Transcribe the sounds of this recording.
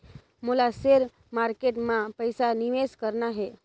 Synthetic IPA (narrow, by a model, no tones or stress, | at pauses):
molaseɾ | maɾkeʈmãpəjsaniʋeskəɾnaɦe